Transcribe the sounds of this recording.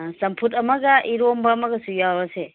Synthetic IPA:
sɐmpʰutɐmɐɡɐʔiɾombɐːmɐɡɐsujabɐse

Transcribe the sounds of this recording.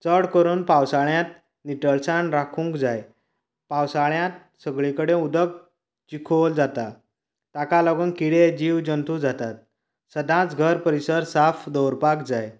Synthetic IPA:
t͡səɽkəɾuːnpawsaɭjãt̪̚ | niʈəɭsaɳɾakʰũŋkd͡zaj | pãwsaɭjãt̪̚ | səɡɭikəɽẽud̪ək̚ | t͡ɕikʰold͡zat̪a | t̪akalɔɡənkiɽed͡ʑiwd͡ʑənt̪ud͡zat̪at̪̚ | səd̪ʱãt͡sɡʱəɾpəɾisəɾsafd̪ɔwɾpakd͡zaj

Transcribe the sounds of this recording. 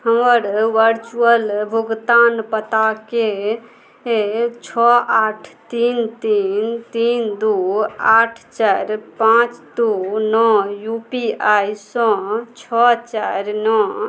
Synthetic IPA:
ɦəməɾʋəɾt͡ʃuəlbʱuɡt̪anpət̪ake | t͡ʃʰɔaʈʰt̪int̪int̪ind̪uaʈʰt͡ʃaɾpãt͡ʃd̪unɔjupiajsɔ̃t͡ʃʰɔt͡ʃaɾnɔ

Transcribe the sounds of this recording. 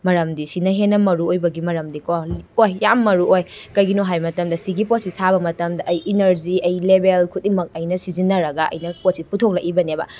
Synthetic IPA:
mɐɾɐmdisinɐɦenːɐmɐɾuojbɐɡimɐɾɐmdikoojːamːɐɾuojkɐjɡinoɦajmɐtɐmdɐsiɡipot̚sisʰabɐmɐtɐmdɐʔɐjinɐɾziɐjlebelkʰut̚imɐk̚ɐjnɐsizinɐɾɐɡaɐ̰jnɐpot̚siputʰok̚lɐ̰ʔibɐniebɐ̰

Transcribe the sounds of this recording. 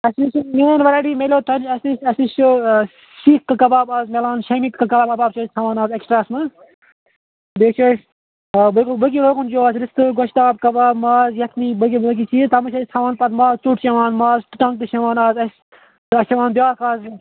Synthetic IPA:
ɐsnit͡ʃmʲeːnʋɐɾaːɖiːmelʲoːt̪ʰɐnɐsnisɐsnist͡ʃu | siːkkːɐkɐbaːbaːzmɐlaːnʃɐmiːt̪kɐkɐbaːbkɐbaːb̚t͡ʃʰɐsʲt̪ʰɐʋaːnaːzeksʈɾaːɐsmɐz | beːt͡ʃʰoːs | bəkbək̬iɾoːkund͡ʒoːaːzɾist̪ɨɡoʃt̪aːb̚kɐbaːbmaːzjɐk̪ʰniːbɨk̬ʲibɨlɐk̬it͡ʃʰiːt̪ɐmɐʃɐst̪ʰɐʋaːnpɐt̪maːzt͡ʃuːʈt͡ʃɐʋaːnmaːzʈɨ̥ʈɐŋt̪ɨʃɐʋaːnaːzɐs | ɨɐsɐʋaːnbjaːkaːz

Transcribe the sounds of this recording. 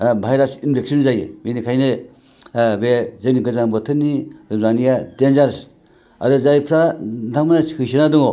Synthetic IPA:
bʱajɾasinbʰʱek̚sinzajḛbenikʰajne | bezɯɡniɡɯzaŋbɔtʰɯniɾɯzanijadenzaɾs | a̰dɔzajpʰɾantʰak̚manakɯsinadɯŋo

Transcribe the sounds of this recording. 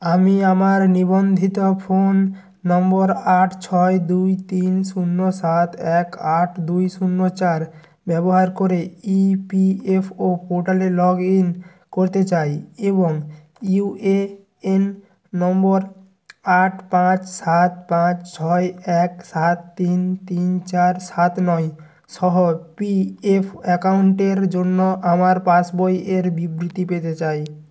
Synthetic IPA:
amiamaɾnibond̪ʱit̪opʰonː | ɔmbɔɾaʈʰt͡ɕʰɔed̪ujt̪insunːosat̪ʰɛkaʈʰd̪ujsunːot͡ɕaɾ | bɛboɦaɾkoɾeipiepʰopoɾʈalelɔɡin | koɾt̪et͡ɕajeboŋ | iue | enː | ɔmboɾ | aʈpãt͡ɕsat̪̚pãt͡ɕt͡ɕʰɔeɛksat̪ːint̪int͡ɕaɾsat̪nɔj | ʃɔɦopiepʰɛkawuɳʈeɾd͡ʑonːoʔamaɾpasbojeɾbibɾit̪ipet̪et͡ɕaj

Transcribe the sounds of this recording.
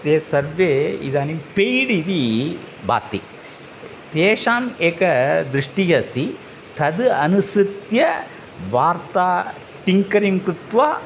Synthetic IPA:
t̪eːsɐɾʋeḭd̪aːnipejɽid̪i | bʱa̰ːt̪i | t̪eːʂaːmeːkɐd̪ɾiʂʈijɐst̪ʰi | t̪ʰɐd̪ɐnusit̪jɐ | ʋaːɾt̪aː | ʈiŋkɐɾiŋkɾut̪ʋaː

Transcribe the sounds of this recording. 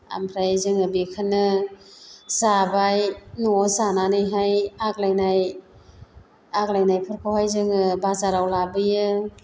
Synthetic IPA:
a̰mpʰɾajzɯŋɯbikʰɯnɯ | zabajnɔzananɯjɦajak̚lajnaj | ak̚lajnajpʰɯɾkʰawhajzɯŋɯbazaɾawlabɯjɯ

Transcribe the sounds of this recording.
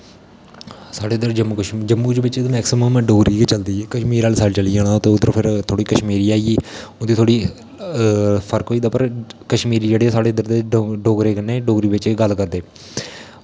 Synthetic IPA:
saːɽeːd̪əɾd͡ʒəmːkʃd͡ʒəmːuːd͡ʒʋɪt͡ʃ̪ːmɛːksɪməmɖoːɡɾiːket͡ʃəld̪iːkəʃmiːɾaːlsaːlt͡ʃəliːãːnãːt̪ẽːʊd̪ːəɾpʰɪɾt̪ʰoːɽiːkəʃmiːɾiːaːiiːond̪iːt̪ʰoːɽiː | pʰəɾkɦoːiːd̪aːpəɾkəʃmiːɾiːd͡ʒeːɽeːsaːɽeːd̪əɾd̪eːɖoːɡɾeːkənːeːɖoːɡɾiːʋɪt͡ʃɡəlkəɾd̪eː

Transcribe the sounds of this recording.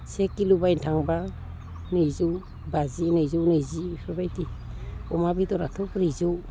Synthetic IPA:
sekilubajntʰaŋba | nɯjzɯw | bazinɯjzɯwnɯjzisɔbajtiɔmabitɔɾatʰɔpɾizow

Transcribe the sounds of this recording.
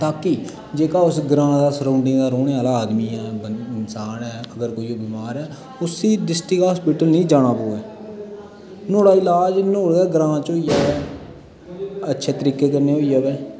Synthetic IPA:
t̪aːki | d͡ʒeːkaːʊsɡɾãːd̪aːsɾə̃ːɳɖẽːd̪aːɾoːneaːlaːaːd̪miːɛːbɪnsaːnɦɛːəɡəɾkoːiːoːbiːmaːɾɛː | ʊsiːɖɪsʈɪkɦaːspiːʈəlnĩːd͡ʒaːɽaːpoːeː | noːɽaːɪlaːd͡ʒnoːɽɛːɡɾãːt͡ʃɦoːiaːʋɛː | ətːʃʰeːt̪əɾiːkeːkəɾneːɦoːiːaːʋɛː

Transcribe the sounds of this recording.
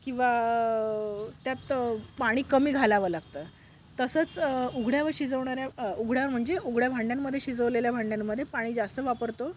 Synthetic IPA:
kĩw̃ʋa | t̪jat̪paɽ̃iːkəmiːɡʱalaʋəːlaɡ̚t̪əː | t̪əsət͡suɡʱɽjaʋəɾɕid͡zəʋɳaɾjauɡʱɽaʋəɾm̤əɳd͡zeʔuɡɽjabʱaɳɖjamːəd̪ʱːjeɕid͡zəʋleljabʱaɳɖjamːəd̪ʱjepaɽ̃iːd͡zast̪əʋapəɾt̪o

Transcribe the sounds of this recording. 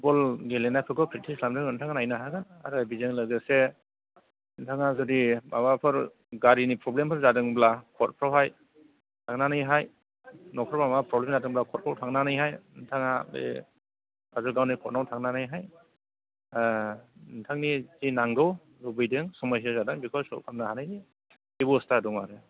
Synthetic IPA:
bɔlɡelenajpʰɯɡɯpʰɾitʰislamdɯŋɯntʰaŋanajnaɦaɡan | a̰ɾɯabizɯŋlɯɡɯse | ntʰaŋazɔdibabapʰɯɾ | ɡaɾinipʰɾɔblempʰɯɾzadɯŋblakʰɔt̚pʰɾawɦaj | tʰaŋnanɯjɦaj | nɔkʰɔɾbamapɾɔblemzadɯŋblakʰɔt̚pʰɾawtʰaŋnanajɦajntʰaŋabḛ | azɔɡawnikʰɔt̚nawtʰaŋnanajɦaj | ntʰaŋnizinaŋɡɯw | ɾubɯjdɯŋsɔmɔjs̬azadɯŋbikʰɔlsɔɾkʰamnahanɯjdi | ibɔstadɔŋaɾɯ

